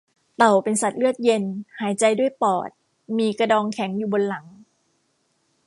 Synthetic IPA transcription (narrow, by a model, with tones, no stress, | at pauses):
t̪a˨˩wpe˧nsa˨˩t̪̚lɯ˥˩ət̪̚je˧nhaː˩˦jt͡ɕa˧jdu˥˩əjpɔː˨˩t̪̚ | miː˧ka˧dɔː˧ŋkʰɛ˩˦ŋjuː˨˩bo˧nla˩˦ŋ